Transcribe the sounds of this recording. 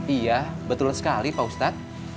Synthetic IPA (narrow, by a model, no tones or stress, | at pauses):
ijabət̪ʊlsə̥kalipaust̪at̪̚